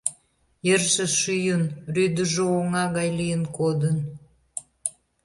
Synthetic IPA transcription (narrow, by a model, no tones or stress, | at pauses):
jerʃəʃyjənryd̪əʒooŋɑɣɑjlijənkod̪ən